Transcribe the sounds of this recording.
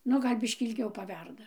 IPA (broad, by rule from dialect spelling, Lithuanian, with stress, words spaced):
ˈnʊ ˈɡɐlʲ ˈbʲɪʃʲkʲiː ɪlʲˈɡʲɛʊ pɐˈʋʲɛrdɐ